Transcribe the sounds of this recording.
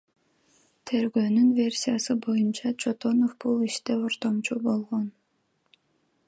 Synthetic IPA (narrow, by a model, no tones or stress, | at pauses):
t̪ʰe̞ɾɡøːnynvʲe̞rʲsʲijasɯbo̞junt͡ʃɑt͡ʃʰo̞t̪o̞nofbulˠiʃt̪eoɾt̪o̞mt͡ʃubo̞lˠʁon